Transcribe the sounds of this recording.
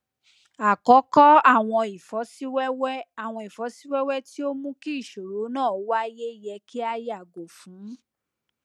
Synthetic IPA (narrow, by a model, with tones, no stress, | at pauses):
a˨kɔ˨˦kɔ˦a˦˨w̃ɔ̃˧i˨fɔ˨˦si˦wɛ˦wɛ˦a˦˨w̃ɔ̃˧i˨fɔ˨˦si˦wɛ˦wɛ˦ti˦o˦mũ˦ki˦i˦˨ʃo˨ɾo˨˦nãː˦˨o˦wa˦je˦i˦˨jɛ˧ki˦a˧ja˦˨ɡo˨fũ˨˦